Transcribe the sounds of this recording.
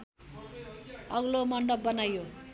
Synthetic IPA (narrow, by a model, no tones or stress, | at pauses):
ʌɡlomʌnɖʌp̚bʌnajo